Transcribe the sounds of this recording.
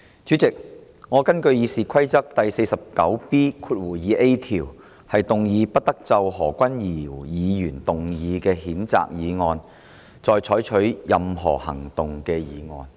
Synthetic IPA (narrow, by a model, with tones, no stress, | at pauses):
t͡ʃy˨˥t͡sɪ˨k̚ | ŋɔː˨˧kɐ˥nkɵ˧ɥjiː˨˧siː˨kʰɐ˥jt͡sɐ˥k̚t̪ɐ˨jse˧jsɐ˨p̚kɐ˨˥wpiː˥kʰuː˧t̚wuː˨˩jiː˨˧ʔe˥jt̪ʰiː˨˩w | hɐ˨jt̪ʊ˨ŋjiː˨˧pɐ˥t̚t̪ɐ˥k̚t͡sɐ˧wɦɔː˨˩kʷɐ˥njiː˨˩jiː˨˧jyː˨˩nt̪ʊ˨ŋjiː˨˧kɛː˧ɦiː˨˥nt͡sa̰ː˨k̚jiː˨˧ŋɔː˨˧n | t͡sɔː˨˧jt͡ʃʰɔː˨˥jt͡ʃʰɵ˨˥ɥjɐ˨mɦɔ̰ː˨˩hɐ̰˨˩ŋt̪ʊ˨ŋkɛː˧jiː˨˧ŋɔ̰ː˧n